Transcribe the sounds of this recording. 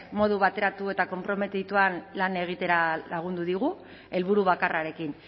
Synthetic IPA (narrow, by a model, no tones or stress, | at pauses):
mo̞ð̞uβat̪e̞ɾat̪ue̞t̪ako̞mpɾo̞me̞t̪it̪uanlane̞ɣ̞it̪e̞ɾalaɣ̞und̪uðiɣ̞u | e̞lβuɾuβakaraɾe̞kin